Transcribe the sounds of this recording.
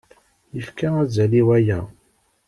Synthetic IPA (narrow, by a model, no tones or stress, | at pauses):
jəfkaæzæliwæjæ